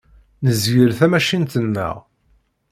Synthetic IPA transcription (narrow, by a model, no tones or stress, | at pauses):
nəzʝəɾθæmæʃint̪ənːə̰ʁ